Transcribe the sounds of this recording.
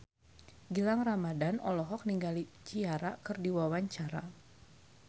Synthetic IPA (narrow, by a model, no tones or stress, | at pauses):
ɡilaŋramadanɔlɔɦɔk̚niŋɡalit͡ʃiaɾakɨrdiwawaɲt͡ʃaɾa̰